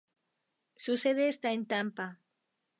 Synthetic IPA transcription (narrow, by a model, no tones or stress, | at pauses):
suseðeːst̪aent̪ampa